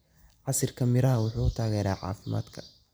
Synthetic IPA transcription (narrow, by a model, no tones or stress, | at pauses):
ʕɑsɪrkʰɐmɪɾɐɦɐwʊħuːʊt̪ʰaːɣɛːɾaːʕɑ̰ːfɪma̰ːd̪kʰɐ̥